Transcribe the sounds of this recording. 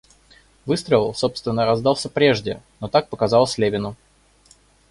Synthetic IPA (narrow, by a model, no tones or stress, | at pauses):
vɨst̪ɾəɪlˠso̞pst̪vʲɪnːəɾɐzd̪ɑlˠsʲəpɾʲe̞ʐdʲɪno̞t̪ak̚pəkɐzɑlˠəsʲlʲevʲɪnʊ